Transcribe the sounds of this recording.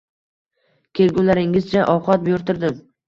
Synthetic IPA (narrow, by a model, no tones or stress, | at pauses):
kʲʰelɡʲʊnlaɾɪŋɪzt͡ʃʰaʔɒwqɒt̪̚bjʊɾt̪ʰɪɾd̪ɪm